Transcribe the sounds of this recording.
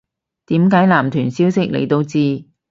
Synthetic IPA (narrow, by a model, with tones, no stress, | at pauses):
t̪iː˨˥mkaː˨˥jlaː˨˩mt̪ʰyː˨˩nsiː˨˥wsɪ˥k̚lḛ˨˩jt̪o˧wt͡siː˧